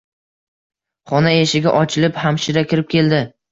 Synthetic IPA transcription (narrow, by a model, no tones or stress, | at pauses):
χɒnaeʃɪɡʲaʔɒt͡ʃʰɪlɪphamʃɪɾakʲʰɪɾɪp̚kʲe̞ld̪ɪ